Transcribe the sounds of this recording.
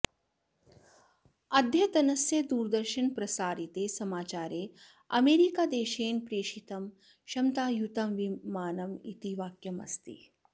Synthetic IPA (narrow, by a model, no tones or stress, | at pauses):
ɐd̪ʱjɐt̪ɐnɐsjɐd̪uːɾd̪ɐɾʃɐnpɾɐsaːɾit̪eːsɐmaːt͡ʃaːɾeː | ɐ̰meːɾikaːd̪eːʃeːnpɾeːʃit̪ɐm | ʃɐmt̪aːjut̪ɐmʋimaːnɐmḭt̪iʋaːkjɐmɐ̰st̪ḭ